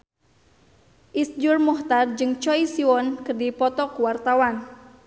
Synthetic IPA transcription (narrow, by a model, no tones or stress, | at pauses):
ʔisd͡ʒʊrmɔht̪ard͡ʒɨŋt͡ʃɔisiwɔnkərdipɔt̪ɔkuwart̪awan